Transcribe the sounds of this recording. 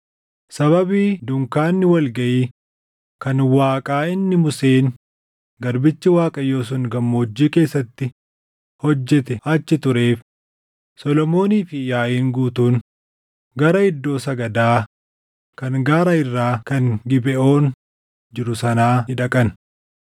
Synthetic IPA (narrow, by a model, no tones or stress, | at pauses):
sɐβɐbiːd̪ʊŋkaːnːɪwɐlɡɐʔiː | kɐnwaːkʼaːɪnːɪmʊse̞ːn | ɡɐɾbɪt͡ʃːɪwaːkʼɐjoːs̬ʊŋɡɐmːo̞ːd͡ʒːiːke̞ːsːɐt̪ːɪ | hɔd͡ʒːɛt̪ɛɐt͡ʃːɪt̪ʊɾe̞ːf | sɔlɔmo̞ːniːfɪjaːʔiːŋɡuːt̪uːn | ɡɐɾɐɪd̪ːo̞ːsɐɡɐd̪aː | kɐŋɡaːɾɐɪrːaːkɐŋɡɪbɛʔo̞ːn | d͡ʒɪɾʊsɐnaːɪᶑɐkʼɐn